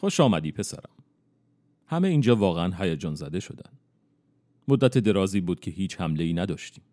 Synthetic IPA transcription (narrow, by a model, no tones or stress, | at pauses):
xoʃɒːmæd̪iːpʰe̞sæ̰ɾæ̰m | hæme̞iːnd͡ʒɒːvɒːɣeænɦæjæd͡ʒɒːnzæd̪e̞ʃo̞d̪æ̰n | mod̪ːæt̪ʰe̞d̪e̞ɾɒːziːbuːd̪̥̚cʰe̞ɦiːt͡ʃʰhæmle̞iːnæd̪ɒːʃt̪iːm